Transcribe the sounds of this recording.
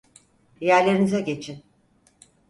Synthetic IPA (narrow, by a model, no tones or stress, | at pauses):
jæɾlʲe̞ɾinizɛɟe̞t͡ʃʰin